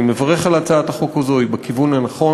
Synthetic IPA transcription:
mevaʁeχalat͡saat̪aχo̞kazojbekivunanaχo̞

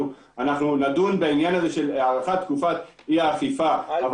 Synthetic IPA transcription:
u | anaχnunadunbainjanaze̞ʃe̞laːʁaχat̪kufat̪ | iaːχifaav

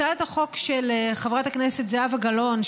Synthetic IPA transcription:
ataχo̞kʃeleχavʁatakneset̪zeavaɡalo̞n

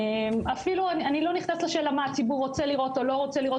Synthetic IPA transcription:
emafiluananilo̞niχnasleʃe̞ːlamaːt͡sibuʁːo̞t͡seliʁo̞t̪olo̞ʁo̞t͡seliʁo

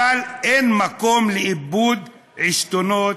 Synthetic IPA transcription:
alʔenmakomleʔibud̪ | ʕiʃt̪onot

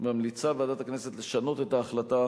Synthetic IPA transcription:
mamlit͡sabead̪at̪aknese̞t̪le̞ʃano̞t̪e̞taːχlata

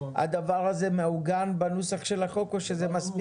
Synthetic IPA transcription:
a̰d̪avaʁaze̞meuɡanbanusaχʃe̞laχo̞koʃe̞zemasp

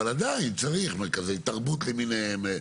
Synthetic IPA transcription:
alad̪aint͡saʁiχmekazet̪aʁbut̪leminehem

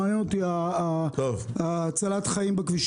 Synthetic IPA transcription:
njenot̪iat̪ovt͡salat̪χaimbekviʃ

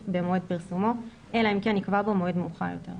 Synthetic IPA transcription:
bemoed̪̚piʁsumo̞ | ʔelaimkenikvabomoed̪muχa̰jo̰t̪e̞ʁ

